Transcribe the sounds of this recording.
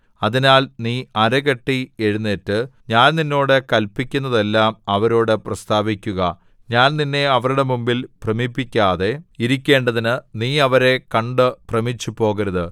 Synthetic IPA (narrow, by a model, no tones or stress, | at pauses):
ɐðinaːlniːɐɾɐɣɐʈːie̞ɻunːeːtːɨɲaːnninːo̞ːɽekɐlpːikʲːunːɐðe̞lːaːmɐʋɐɾo̞ːɽɨprɐst̪aːʋikʲːuɣɐ | ɲaːnninːe̞ɐʋɐɾuɽe̞mumbilprɐmipːikʲːaːðe̞iɾikʲːe̞ːɳɖɐðinɨniːɐʋɐɾe̞kɐɳɖɨprɐmit͡ɕːupo̞ːɣɐɾɐðɨ